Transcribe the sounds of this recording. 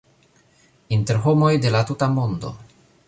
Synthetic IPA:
inte̞ɾɦo̞mo̞jde̞latutamo̞ndo̞̰

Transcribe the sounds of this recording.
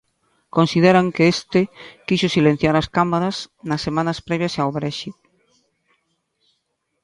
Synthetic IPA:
konsið̞eɾaŋkeest̪ɪkiʃʊsilẽn̟θjaɾɐskamaɾasnɐsːemãnɐspɾɛβjɐsawβɾɛʃit

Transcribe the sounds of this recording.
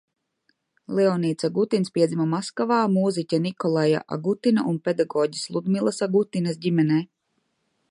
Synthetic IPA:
lˠɛɔniːt̪saɡut̪inspʲiɛzimamaskavaːmuːzicʲanikɔlˠaja̰ʔa̰ɡut̪inaʔunped̪aɡɔːɟislˠud̪milˠasaɡut̪ːinɐs̬ɟimɛnɛː

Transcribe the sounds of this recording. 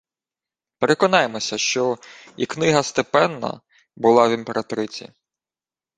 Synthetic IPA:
pe̞ɾe̞kɔnɑjemɔsʲɐʃt͡ʃɔḭknɪɦɐst̪epɛnːɐ̰ | bʊlˠɑʋʲimpeɾʔɐt̪ɔɾɪt͡sʲḭ

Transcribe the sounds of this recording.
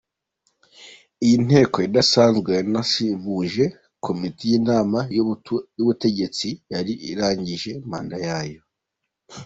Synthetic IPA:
ijin̥e̞ːko̞jidasaːnzɡwenasivuʒe̞ | kʰo̞mitijiːnaːma | juβute̞ɟe̞t͡sijaɾiʔḭɾaːɲɟiʒe̞m̥a̰ːndajaːjo̞

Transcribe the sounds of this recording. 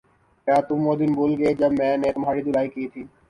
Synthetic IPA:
kjaːt̪ʊmːoːd̪ɪnboːlɡed͡ʒɐbmɛ̃ːnet̪ʊmɦaːɽid̪ʊlaːikiːt̪ʰiː

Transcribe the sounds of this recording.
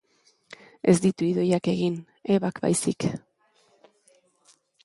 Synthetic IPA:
e̞zd̪it̪uiðo̞jake̞ɣin | e̞βakba̰jsik

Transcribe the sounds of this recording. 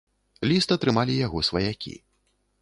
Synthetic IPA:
lʲist̪ɐt̪ɾɨmalʲijaɣɔsvɐjakʲḭ

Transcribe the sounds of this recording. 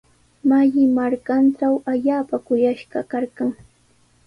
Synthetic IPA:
maʎɪmaɾkanʈ͡ʂawaʎaːpakʊjaʃɢɑkɑɾɢaŋ

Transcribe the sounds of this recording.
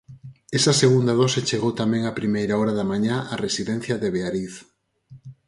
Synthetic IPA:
ɛsɐseɣund̪aðɔset͡ʃeɣowt̪amɛ̃ŋapɾimejɾaɔɾaðamaɲaʔaresiðɛn̟θjɐðeβeaɾiθ

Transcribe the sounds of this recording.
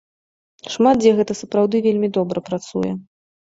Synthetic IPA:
ʂmat̪̚d͡zʲɛɣɛt̪ɐsɐpɾawd̪ɨvʲelʲmʲid̪ɔbɾɐpɾat̪sṵjɛ̰

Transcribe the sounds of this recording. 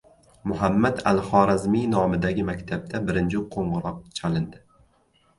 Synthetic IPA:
mʊɦamːad̪a̰lhɒɾazmijnɒmɪd̪aɡʲɪmakʲt̪ʰab̚t̪ʰabɪɾɪnt͡ʃʰɪqʰoɴʁɨɾɒq̚t͡ʃʰalɪnd̪ɪ

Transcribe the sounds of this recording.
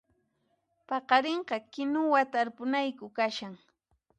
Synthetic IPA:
pɑqɑɾeɴqɑkɪnʊwat̪aɾpʊnajkʊkaʃaŋ

